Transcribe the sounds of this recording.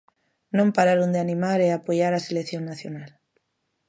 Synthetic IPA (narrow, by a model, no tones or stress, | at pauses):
nõmpaɾaɾund̪eanĩmaɾeapoʝaɾaselekθjonːaθjonal